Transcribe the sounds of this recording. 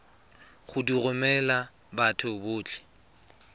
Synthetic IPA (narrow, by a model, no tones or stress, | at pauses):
χʊdirʊmɛla | batʰʊbʊːt͡ɬʰɪ̥